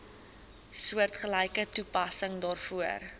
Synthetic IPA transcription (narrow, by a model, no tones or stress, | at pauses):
suərtχəlɛjkətupɐsəŋdɑːrfuər